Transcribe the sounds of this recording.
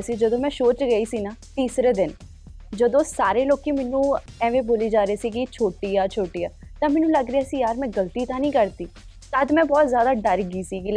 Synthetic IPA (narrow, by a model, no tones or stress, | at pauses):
siːd͡ʒəd̪õːmɛ̃ːʃoːt͡ʃɡəiːsiːnaːt̪iːsɾeːd̪ɪn | d͡ʒəd̪õːsaːɾeːloːkiːmɛnːũːɛ̃ːʋẽːboːliːd͡ʒaːɾeːsiːkɪt͡ʃʰoːʈiːaːt͡ʃʰoːʈiːjaːt̪ãːmɛːnũːləɡɾeaːsiːjaːɾmɛ̃ːɡəlt̪iːt̪ʰaːnĩːkəɾt̪iː | t̪ad̪mɛ̃ːbɔːt̪zjaːd̪aːɖəɾɡiːsiːki